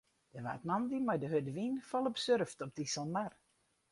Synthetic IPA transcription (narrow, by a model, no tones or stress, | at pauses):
d̥əʋa̰ːtmandimajdəɦødəʋinfɔlˠɔpsørftɔp̚disɔlˠmar